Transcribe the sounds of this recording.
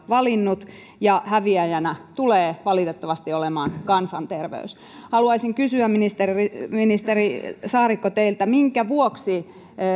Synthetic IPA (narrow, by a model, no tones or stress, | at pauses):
ʋɑlinːut̪ | jɑhæʋiæjænæt̪uleːʋɑlit̪et̪ːɑʋɑst̪iolemɑːnkɑnsɑnt̪erʋḛys | hɑluɑisiŋkysyæminist̪eriminist̪erisɑːrikːot̪eilt̪æmiŋkæʋuoksi